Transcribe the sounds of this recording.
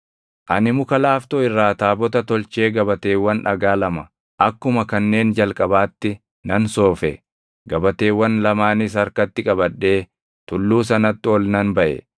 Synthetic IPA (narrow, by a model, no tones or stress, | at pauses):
ʔɐnɪmʊkɐlaːft̪oːɪrːaːt̪aːbɔt̪ɐt̪ɔlt͡ʃe̞ːɡɐbɐt̪e̞ːwːɐnᶑɐɡaːlɐmɐ | ʔɐkːʊmɐkɐnːe̞ːnd͡ʒɐlkʼɐbaːt̪ːɪ | nɐnso̞ːfɛ | ɡɐbɐt̪e̞ːwːɐnlɐmaːnɪs̬ɐɾkɐt̪ːɪkʼɐbɐᶑːe̞ː | t̪ʊlːuːs̬ɐnɐt̪ːɪɔlnɐnbɐʔɛ̰